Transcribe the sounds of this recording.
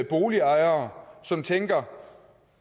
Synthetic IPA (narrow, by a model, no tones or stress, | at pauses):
b̥o̝ːliɑ̈ɪɐːsɒ̽mt͡sʰeŋɡ̥ɐ